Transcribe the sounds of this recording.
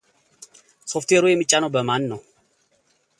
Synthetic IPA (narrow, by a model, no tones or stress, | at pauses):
sɔft̪eɾujemɨt͡ʃʼːanobəmanːɔ